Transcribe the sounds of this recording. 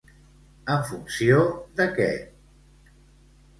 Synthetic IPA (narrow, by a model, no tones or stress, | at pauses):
əɱfunsiod̪əkɛ̰